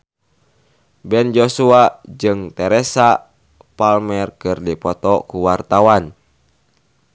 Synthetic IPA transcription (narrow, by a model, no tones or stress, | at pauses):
bɛnd͡ʒosuad͡ʒɨŋt̪ɛɾɛsa | palmɛrkɨrdipɔt̪ɔkuwart̪awan